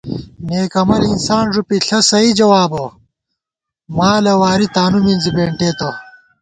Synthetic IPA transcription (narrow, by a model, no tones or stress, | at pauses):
neːkɐmɐɾinsaːnʐupiɬɐsɐid͡ʑɐwaːbo | maːlɐwaːɾit̪aːnuminzibeːɳʈeːt̪ɐ